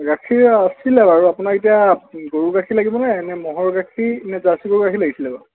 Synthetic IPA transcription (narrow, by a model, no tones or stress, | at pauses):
ɡakʰiɹasilɛbaɹuapunaɹetijaɡoɹuɡakʰilaɡibɔnaɛnɛmɔɦɔɹɡakʰinɛzasiɡoɹuɡakʰilaɡisilɛba